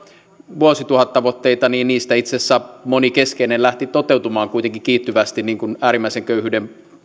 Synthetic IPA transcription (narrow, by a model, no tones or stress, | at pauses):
ʋuosit̪uhɑt̪t̪ɑʋot̪ːeit̪ɑniːnniːst̪æit̪sesːæmonikeskeinelæht̪it̪ot̪ewt̪umɑːŋkuit̪eŋkikiːt̪ːyʋæst̪inniːŋkunæːɾimːæˑiseŋkøyhyːdem